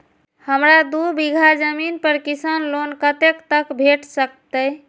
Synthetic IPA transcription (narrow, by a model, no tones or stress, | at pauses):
həmɾad̪ubiɡʱad͡ʒəminpəɾkisənlonkət̪ekt̪əkbʱeʈsəkt̪əj